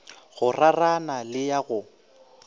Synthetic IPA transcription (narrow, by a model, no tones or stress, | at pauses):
ɣʊraranalɪjaɣʊ